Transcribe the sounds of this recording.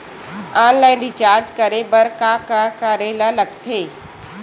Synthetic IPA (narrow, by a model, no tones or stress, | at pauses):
ãːnlaːɪ̃nɾit͡ʃaːɾd͡ʒkɐɾebɐɾkaːkakaːɾelalɐɡt̪ʰeː